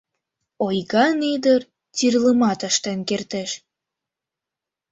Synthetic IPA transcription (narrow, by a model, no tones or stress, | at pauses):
ojɣɑned̪ər | tirləmɑt̪ɑʃt̪enkert̪eʃ